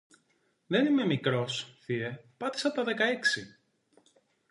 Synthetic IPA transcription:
ðe̞nime̞mikɾo̞sθiepɐt̪i̥sɐpot̪ɐðe̞kɐeksi

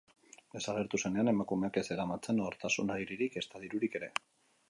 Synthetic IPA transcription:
d̪e̞saɣ̞e̞ɾt̪use̞ne̞ane̞makume̞ake̞se̞ɾamat͡se̞noɾt̪asunaɾiɾiɾike̞st̪aðiɾuɾike̞ɾe̞

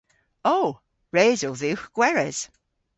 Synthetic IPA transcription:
oː | ɹeːzoðiwxɡ̥wɛɹɛz̥

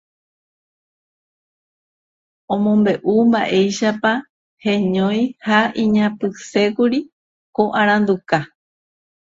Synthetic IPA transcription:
õmõ̞mbe̞ʔumbaʔe̞jʃapa | hẽɲõj̃haʔĩɲãpɨse̞kuɾi | koʔaɾ̃ãnd̪uka

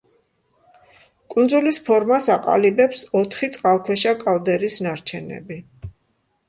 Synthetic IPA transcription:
kʼund̪zulispʰɔɾmasaqʼa̰libɛpsɔt̪ʰχit̪sʼqʼalˠkʰwɛʃakʼald̪ɛɾisnaɾt͡ʃʰɛnɛ̰bi

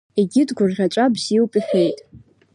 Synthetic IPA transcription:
eɡʲɪdɡʷʊrʁʲat͡ʃʷʼabz̥iwpʼiħʲᶣejtʼ

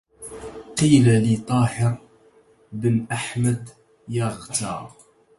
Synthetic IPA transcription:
qiːlalit̪ˤɑːhɪɾ | bənʔaħmæd̪ | jaʁt̪ɑ

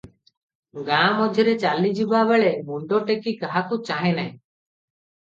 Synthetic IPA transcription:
ɡãmɔd͡ʒʱiɾɛt͡ʃalid͡ʒibaβɛɭɛʔmuɳɖɔʈekikaɦakut͡ʃaɦɛ̃naĩ

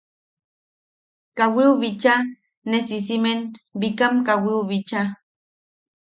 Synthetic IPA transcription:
kawiuβit͡ʃa | nesis̬imenbikamkawiuβit͡ʃa

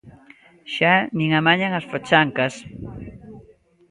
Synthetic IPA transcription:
ʃaniŋamaɲaŋasfot͡ʃaŋkas

